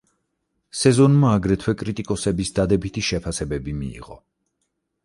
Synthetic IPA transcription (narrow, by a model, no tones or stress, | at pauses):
sɛzɔnmaːɡɾɛt̪ʰwɛkʼɾit̪ʼikʼɔsɛbisd̪ad̪ɛbit̪ʰiʃɛpʰasɛbɛbimḭḭʁɔ̰